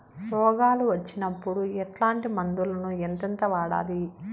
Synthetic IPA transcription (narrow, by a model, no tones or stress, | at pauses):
pɔːɡaːluʋɐt͡ʃːinɐpːuɽuɛʈlaːɳʈimɐnd̪ulɐnuent̪ɐnt̪ɐʋaːɽa̰ːli